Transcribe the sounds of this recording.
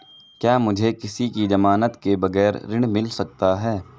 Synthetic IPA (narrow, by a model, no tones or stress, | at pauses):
kjaːmʊd͡ʒʱekɪsikid͡ʒɐmaːnət̪kebɐɣɛːɾɾɪɽ̃mɪlsɐk̚t̪aɦɛː